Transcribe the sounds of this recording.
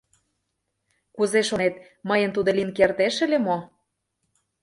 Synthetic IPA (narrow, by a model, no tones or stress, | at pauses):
kuzeʃonet̪ | məjə̆nt̪ud̪ə̆linkert̪eʃə̆lemo